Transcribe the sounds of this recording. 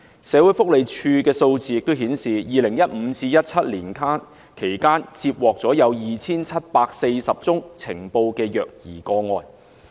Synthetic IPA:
sɛː˨˧˥wu˨˥jfʊ˥k̚le˨˧jt͡ʃʰyː˧kɛː˧so˧wt͡siː˨˧jɪ˨k̚t̪o˥wɦiː˨˥nsiː˨jiː˨lɪ˨˩ŋjɐ˥t̚m̩ː˨˧˦t͡siː˧jɐ˥t̚t͡sʰɐ˥t̚liː˨˩nkʰaː˥n | kʰe˨˩jkaː˥nt͡siː˧p̚wɔː˨k̚t͡sɔː˨˥jɐ˨˧wjiː˨t͡sʰiː˥nt͡sʰɐ˥t̚paː˧k̚se˧jsɐ˨p̚t͡sʊ˥ŋt͡sʰɪ˨˩ŋpo˧wkɛː˧jœː˨k̚jḭː˨˩kɔː˧ŋɔː˧n

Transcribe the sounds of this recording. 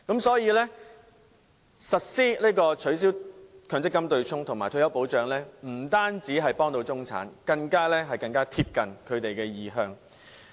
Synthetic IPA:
kɐ˨˥msɔː˨˥jiː˨˧lɛː˥ | sɐ˨t̚siː˥liː˥kɔː˧t͡ʃʰɵ˨˥ɥs̬iː˨˥wkʰœː˨˧ŋt͡sɪ˥kːɐ˥mt̪ɵ˧ɥt͡sʰʊ˥ŋt̪ʰŋmaː˨˩jt̪ʰɵ˧˥jɐ˨˥wpo˨˥wt͡ʃœː˨ŋlɛː˥m̩˨˩t̪aː˥nt͡siː˨˥ɦɐ˨jpɔː˥ŋt̪o˧wt͡sʊ˥ŋt͡sʰa̰ː˨˥nkɐ˧ŋkaː˥lɛː˥ɦɐ˨jkɐ˧ŋkaː˥t̪ʰiː˧p̚kɐ˨nkʰɵ˨˧ɥt̪e˨jkɛː˧jiː˨ɦœː˨˧ŋ

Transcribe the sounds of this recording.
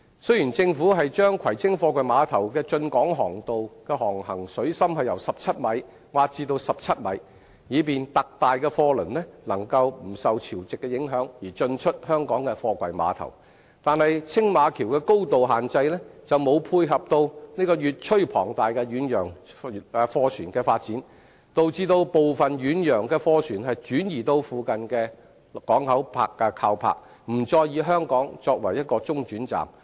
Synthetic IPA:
sɵ˥ɥjiː˨˩nt͡sɪ˧ŋfuː˨˥ɦɐ˨jt͡ʃœː˥ŋkʰɐ˨˩jt͡sʰɪ˥ŋfɔː˧kʷɐ˨jmaː˨˧t̪ʰɐ˨˩wkɛː˧t͡ʃɵ˧nkɔː˨˥ŋɦɔː˨˩ŋt̪o˨wkɛː˧ɦɔː˨˩ŋhɐ̰˨˩ŋsɵ˨˥ɥsɐ˥mɦɐ˨jɐ˨˩wsɐ˨p̚t͡sʰɐ˥t̚mɐ˨˧˥j | waː˨˧t̚t͡siː˧t̪o˧wsɐ˨p̚t͡sʰɐ˥t̚mɐ̰˨˧˥j | jiː˨˧p̬iː˨nt̪ɐ˨k̚t̪aː˨jkɛː˧fɔː˧lɵ˨˩nlɛː˥lɐ˨˩ŋkɐ˧wm̩˨˩sɐ˨wt͡sʰiː˨˩wt͡sɪ˨kːɛ˧jɪ˨˥ŋɦœː˨˥ŋjiː˨˩t͡ʃɵ˧nt͡ʃʰɵ˥t̚hœː˥ŋkɔː˨˥ŋkɛ˧fɔː˧kʷɐ̰˨jma̰ː˨˧t̪ʰɐ̰˨˩w | t̪aː˨˧nhɐ˨jt͡sʰɪ˥ŋmaː˨˧kʰiː˨˩wkɛː˧ko˥wt̪o˨wɦaː˨˩nt͡sɐ˧jlɛː˥t͡sɐ˨wmo˨˧wpʰuː˧jɦɐ˨p̚t̪o˧wniː˥kɔː˧jyː˨t̚t͡ʃʰɵ˥ɥpʰɔ̰ː˨˩ŋt̪aː˨jkɛː˧ɥyː˨˥njœː˨˩ŋː˧ | fɔː˧t͡ʃʰyː˨˩nkɛː˧faː˧t̚t͡siː˨˥n | t̪o˨wt͡siː˧t̪o˧wpo˨wfɐ˨nɥyː˨˥njœː˨˩ŋkɛː˧fɔː˧t͡ʃʰyː˨˩nhɐ˨jt͡ʃyː˨˥njiː˨˩t̪o˧wfuː˨kɐ˨nkɛː˧ | kɔː˨˥ŋhɐ˨˥wpʰa̰ː˧kːɛː˧kʰaː˧wpʰa̰ː˧˥k̚ | m̩˨˩t͡sɔː˧jjiː˨˧ɦœː˥ŋkɔː˨˥ŋt͡sɔː˧k̚wɐ̰˨˩jɐ˥t̚kɔː˧t͡sʊ˥ŋt͡ʃyː˨˥nt͡sa̰ː˨˩m

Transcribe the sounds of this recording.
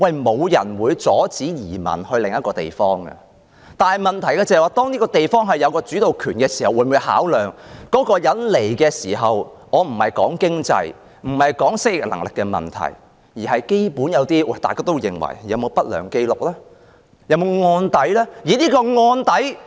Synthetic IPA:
wɐ˧jmo˨˧wjɐ̰˨˩nwuː˨˧jt͡sɔː˨˥t͡siː˨˥jiː˨˩mɐ̰˨˩nhɵ˧ɥlɪ˨ŋjɐ˥t̚kɔː˧t̪ḛ˨jfɔː˥ŋɡɐ̰˧ | t̪aː˨nhɐ˨˩jmɐ˨nt̪ʰɐ˨˩jkːt͡sɐ˨˩hɛ˨waː˨t̪ɔː˥ŋniː˥kɔː˧t̪e˨jfɔː˥ŋɦɐ˨jːɐ˨˧wkɔː˧t͡ʃyː˨˥t̪o˨˩wkʰyː˨˩nkɛː˧si̥˨˩hɐ˨wuː˨˧nmuː˨˧jha̰ː˨˥wlœː˨ŋkɔː˨˥kɔː˧jɐ˨˧˥nle˨˩jkɛː˧siː˨˩ɦɐ˨wŋɔː˨˧m̩˨˩hɐ˨jkɔː˨˥ŋkɪ˥ŋt͡sɐ̰˧j | m̩˨˩hɐ˨jkɔː˨˥ŋsɪ˥k̚jɪ˨k̚lɐ̰˨˩ŋlɪ˨kːɛ˧mɐ̰˨nt̪ʰɐ̰˨˩j | jiː˨˩hɐ˨jke˥jpuː˨˥njɐ˨˧wt̪iː˥wɐ˥˩jt̪aː˨jkaː˥t̪o˥wjɪ̰˨˩ŋwɐ̰˨˩jjɐ˨˧wmo˨˧wpɐ˥t̚lœ̰ː˨˩ŋke˥jlʊ˨k̚lɛː˥ | jɐ˨˧wmo˨˧wŋɔː˧nt̪ɐ˨˥jlɛː˥jiː˨˥niː˥kɔː˧ŋɔː˧nt̪ɐ˨˥j

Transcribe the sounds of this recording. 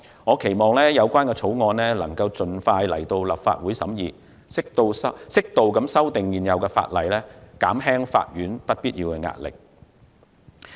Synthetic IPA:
ŋɔː˨˧kʰe˨˩jmɔː˨˩ŋlɛː˥jɐ˨˧wkʷaː˥nkɛː˧t͡sʰo˨˥wŋɔː˨˧nlɛː˥lɐ˨˩ŋkɐ˧wt͡sɵ˨nfaː˧jlɐ̰˨˩jt̪o˧wlɐ̰˨pfa̰ː˧t̚wuː˨˥jsɐ˨˥mjiː˨˧ | sɪ˥k̚t̪o˧wsɐsɪ˥k̚t̪o˨wkɐ˨˥msɐ˥wt̪ɪ˨ŋjiː˨njɐ˨˧wkɛː˧fa̰ː˧t̚lɐ˨jlɛː˥kaː˨˥mɦɛː˥ŋfa̰ː˧t̚jɥyː˨˥npɐ˥t̚piː˥t̚jiː˧wkɛː˧ŋa̰ː˧t̚lɪ̰˨k̚

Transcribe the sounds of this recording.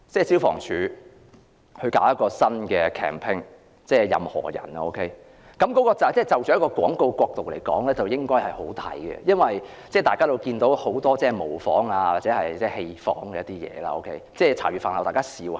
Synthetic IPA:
t͡sɛː˥˩siː˥wfɔ̰ː˨˩ŋt͡ʃʰyː˨˥ | hɵ˧kaː˨˧˥wjɐ˥t̚kːɔː˧sɐ˥nkɛː˧kʰɛ̰ː˨˩mpʰɪ˥ŋ | t͡sɛː˥˩jɐ̰˨mhɔ̰ː˨˩jɐ̰˨˩na˧ʔo˥wkʰe˥j | kɐ˨˥mkɔː˨˥kɔː˧t͡sɐ˨t͡sɛː˥˩t͡sɐ˨wt͡sy˨˥kɔː˧kwɔː˨˥ŋko˧wkʷɔː˧k̚t̪o˨wle˨˩jkɔː˨˥ŋlɛː˥t͡sɐ˨wjɪ˥ŋkɔː˥jhɐ˨˩jho̰˨˥wt̪ʰɐ̰˨˧˩jɡɛ̰˧jɐ˥nwɐ˨j | t͡sɛː˥˩t̪aː˨jkaː˥t̪o˧wkiː˧nt̪o˨˥who˨˥wt̪ɔː˥t͡sɛː˥˩˨mo˨˩wfɔː˨˥ŋaː˧waː˨t͡sɛː˨˧˥hɐ˨˩jt͡sɛː˥˧he˧jfɔ̰ː˨˥ŋkɛ˧jɐ˥t̪iː˥jɛ̰ː˨˧la̰ː˧o̰˧˥wkʰe˥jt͡sɛː˥˩t͡sʰaː˨˩ɥyː˨˩faː˨nhɐ˨˩t̪aː˨jkaː˥siː˧w

